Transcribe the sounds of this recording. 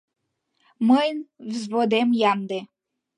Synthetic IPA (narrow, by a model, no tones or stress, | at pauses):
məjnvzβod̪emjɑnd̪e